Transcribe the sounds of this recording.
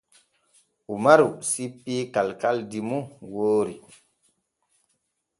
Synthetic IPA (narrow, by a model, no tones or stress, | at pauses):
umaɾusipːikalkaldimuwoːɾi